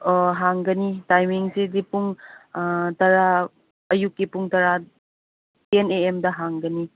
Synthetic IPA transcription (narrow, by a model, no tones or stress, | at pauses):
ɦaŋɡɐnitajmiŋsidipuŋ | tɐɾa | ɐjukːipuŋtɐɾa | eneemdɐɦaŋɡɐni